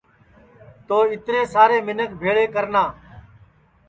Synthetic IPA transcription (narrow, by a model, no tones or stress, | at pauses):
t̪oːɪt̪ɾẽːsaːɾeːmɪnəkbʱeːɭeːkəɾnaː